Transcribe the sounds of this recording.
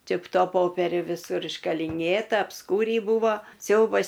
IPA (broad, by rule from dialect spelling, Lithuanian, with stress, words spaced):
ˈt͡ʃʲɪ p ˈtoː ˈpoːpʲɛrʲʊ ʋʲɪˈsʊr ɪʃkɐlʲɪˈnʲeːtɐ ɐpˈskuːrʲiː ˈbuːʋoː ˈsʲɛʊbɐs